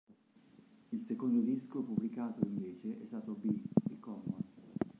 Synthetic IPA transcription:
ilsekond̪od̪iskopubːlikaːt̪oiɱveːt͡ʃeʔɛ̰st̪aːt̪obid̪ikɔma

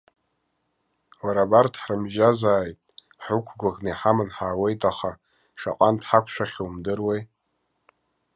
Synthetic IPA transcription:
waɾabartʰħrɨmʒazaːjtʼ | ħukʷʰɡʷʊʁneħamɨnħaːwe̞jtʼaχa | ʂa̰qʼantʰħakʷʰʃʷᶣaχʲowmdɨrwej

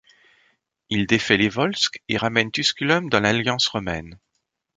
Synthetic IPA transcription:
ild̪efɛlevɔlskeʁamɛnt̪yskʲylɔmd̪ɑ̃laljɑ̃sʁɔmɛn

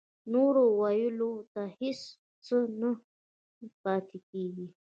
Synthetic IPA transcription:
noɾowajulot̪ahɪs | t͡səna | pɑt̪ekeɡi

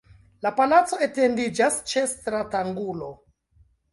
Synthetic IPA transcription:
lapalat͡so̞ete̞ndid͡ʒast͡ʃe̞stɾataŋɡulo

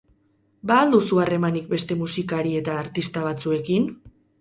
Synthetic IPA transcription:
baːld̪usuare̞manik̚be̞st̪e̞musikaɾie̞t̪aːɾt̪ist̪aβ̞at͡sue̞kin

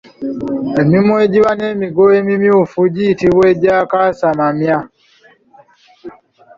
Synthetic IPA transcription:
emimwe̞ɟiβane̞ːmiɡoemimjuːfuɟiːtiβwe̞ːɟaːkasamamja

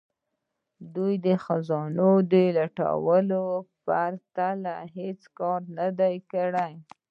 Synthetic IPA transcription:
d̪ujd̪əxazɑnod̪əlaʈa̰wəlopaɾt̪alaɦet͡skɑɾnad̪ajkaɽaj

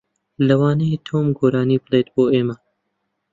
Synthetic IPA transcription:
lɐwɑːnɐjet̪ʰoːmɡoːɾɑːniːbleːt̪boːeːmɐ

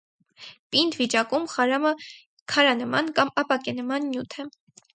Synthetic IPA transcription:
pind̪vit͡ʃɑkumχɑɾɑmə | kʰɑɾɑnəmɑnkɑmɑpɑkɛnəmɑnːjut̪ʰɛ

